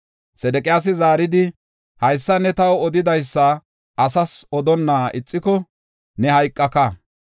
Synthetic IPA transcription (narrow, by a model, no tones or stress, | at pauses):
sɛd̪ɛkʼɪjaːs̬ɪzaːɾɪd̪ɪ | hɐjsːɐnɛt̪ɐwɔd̪ɪd̪ɐjsːɐ | ʔɐsɐsɔd̪ɔnːaːɪt͡sʼːɪkɔ | nɛhɐjkʼːɐkɐ